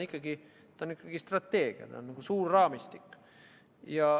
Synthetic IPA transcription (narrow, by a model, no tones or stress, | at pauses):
ikːɑɡi | t̪ɑonikːɑɡ̥ist̪rɑt̪ːe̞ːɡ̥iɑ̰t̪ɑ̰onːɑɡ̥usuːrːɑːmist̪ikː | jɑ